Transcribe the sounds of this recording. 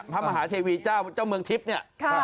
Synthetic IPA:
pʰa˧˥ma˧ɦaː˩˦t̪ʰiː˧wiː˧t͡ɕaː˥˩wt͡ɕaː˥˩wmɯ˧əŋt̪ʰi˦˥p̚ni˥˩ɐ

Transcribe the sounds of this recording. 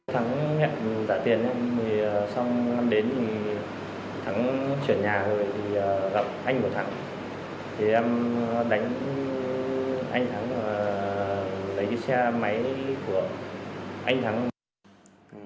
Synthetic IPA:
t̪ʰa˨˦ŋŋɛ̰˧˨mzaː˧˩t̪i˨˩ənʔɛ˧mi˨˩˨sa˧wŋ͡mna˧mɗe˨˦nt̪i˨˩ | t̪ʰa˨˦ŋt͡ɕwi˧˩ənɲaː˨˩zo˨˩jt̪ʰi˨˩ɣa˨˩p̚ʔa˧jŋ̟ku˨˩t̪ʰa˨˦ŋ | t̪ʰi˨˩ʔɛ˧mɗa˨˦jŋ̟ | ʔa̰˧jŋ̟t̪ʰa˨˦ŋlaː˧˨˩ | lə˨˦jkə˨˦sɛ˧ma˨˦jku˧˩ə | ʔa˧jŋ̟t̪ʰa˨˦ŋ

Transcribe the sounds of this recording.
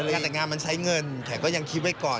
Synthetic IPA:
ɛː˨˩ŋaː˧nma˧nsa˨˦˥jŋɤ˧nt̪ʰɛː˨˥˩kɔː˥˩ja˧ŋkʰi˦˥t̪̚wa˦˥˩jkɔː˨˩

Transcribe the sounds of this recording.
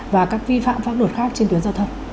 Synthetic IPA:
vaː˨˩kaː˦˥k̚vi˧fa̰ː˧˨mfaː˦˥p̚lo˧˩t̚xaː˦˥k̚t͡ɕe˧nt̪wi˨˦ənzaː˧t̪ʰə˧wŋ͡m

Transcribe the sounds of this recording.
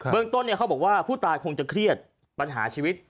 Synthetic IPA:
bɯ˥˩əŋt̪o˥˩nːi˥˩kʰa˦˥bɔː˨˩k̚waː˥˩pʰuː˥˩t̪aː˧jkʰo˧ŋt͡ɕa˨˩kʰɾi˥˩ət̪̚ | pa˧nɦa̰ː˩˦t͡ɕʰiː˧wi˦˥t̪̚

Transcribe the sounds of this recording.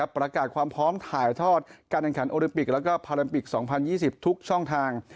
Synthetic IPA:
a˦˥pːɾa˧kaː˨˩t̪̚kʰwaː˧mpʰɾɔː˦˥mt̪ʰaː˩˦jt̪ʰɔː˥˩t̪̚kaː˧nʔɛ˨˩ŋkʰa˩˦nʔoː˧li˧mpi˨˩k̚lɛ˦˥wkɔː˥˩pʰaː˧la˧mpi˨˩k̚sɔː˩˦ŋpʰa˧njiː˥˩si˨˩p̚t̪ʰu˦˥k̚t͡ɕʰɔ˥˩ŋt̪ʰaː˧ŋ

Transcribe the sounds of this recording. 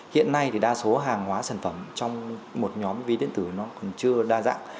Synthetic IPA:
hḭ˧˨ənːa˧jt̪ʰi˨˩ɗaː˧so˨˦ɦaː˨˩ŋhwaː˨˦saː˧˩nfə˧˩mt͡ɕɔ˧wŋ͡mmo˨˩t̚ɲɔ˨˦mvi˨˦ɗḭ˧˨ənt̪ɨ˧˩nɔ˨˦kɔ˨˩nt͡ɕɨ˧əɗaː˧za̰ː˧˥ŋ

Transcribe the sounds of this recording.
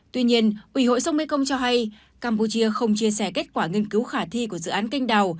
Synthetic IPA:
t̪wi˧ɲi˧ənʔwi˧˩ho̰˧˨jsə˨˦wŋ͡mmḛ˧˦˥kə˧wŋ͡mt͡ɕɔ˧ɦa˧j | kaː˧mpu˧t͡ɕi˧əxə˧wŋ͡mt͡ɕi˧əsɛ˧˩ke˦˥t̚kwaː˧˩ŋi˧ənkɨ˨˦wxaː˧˩t̪ʰi˧ku˧˩əzɨ̰˧˨ʔaː˨˦nka˧jŋ̟ɗa˨˩w

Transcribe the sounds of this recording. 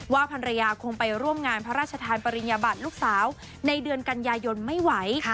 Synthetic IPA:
waː˥˩pʰa˧nɾa˧jaː˧kʰo˧ŋpa˧jɾu˥˩əmŋaː˧npʰa˦˥ɾaː˥˩t͡ɕʰa˧t̪ʰaː˧npa˧ɾi˧njaː˧baː˨˩t̪̚luː˥˩k̚saː˩˦w | na˧jdɯ˧ənka˧njaː˧jo˧nma˥˩jwa˩˦j

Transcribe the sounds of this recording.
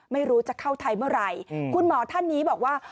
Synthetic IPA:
ma˥˩jɾuː˦˥t͡ɕa˨˩kʰa˥˩wt̪ʰa˧jmɯ˥˩ɐɾa˧jkʰu˧nmɔː˩˦t̪ʰa˥˩nːiː˦˥bɔː˨˩k̚waː˥˩

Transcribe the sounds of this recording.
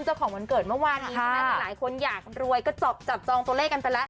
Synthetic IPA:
nt͡ɕa˥˩wkʰɔː˩˦ma˧nkɤː˨˩t̪̚mɯ˥˩waː˧nːiː˦˥˧a˦˥laː˩˦jkʰo˧njaː˨˩k̚ɾu˧əjkɔː˥˩t͡ɕɔ˨˩p̚t͡ɕa˨˩p̚t͡ɕɔː˧ŋt̪u˧leː˥˩kːa˧npa˧lɛ˦˥ʔ

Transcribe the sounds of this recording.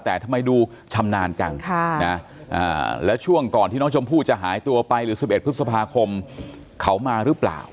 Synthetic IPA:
t̪ɛː˨˩t̪ʰa˧mːa˧jduː˧˩ | t͡ɕʰa˧mnaː˧nt͡ɕa˧ŋʰa˥na˦˥ | ʔa̰ː˨˩lɛː˦˥wt͡ɕʰu˥˩əŋkɔː˨˩nʰiː˥˩nɔː˦˥t͡ɕʰo˧mpʰuː˥˩t̪̚t͡ɕa˨˩ɦaː˩˦jt̪u˧ɐpa˧jɾɯː˩˦si˨˩pʔe˨˩t̪̚pʰɯ˦˥t̪sa˧pʰaː˧kʰo˧m | kʰa˦˥wmaː˧ɾɯ˦˥pla̰ː˨˩w

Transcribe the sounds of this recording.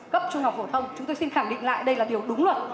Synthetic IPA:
kə˦˥p̚t͡ɕu˧ŋa˨˩k͡p̚fo˧˩t̪ʰə˧wŋ͡mt͡ɕʊ˨˦ŋ͡mt̪o˧jsi˧nxaː˧˩ŋɗḭ˧˨ŋla̰ː˧˨jɗə˧jlaː˨˩ɗi˨˩əwɗʊ˨˦ŋ͡mlwə˨˩t̚

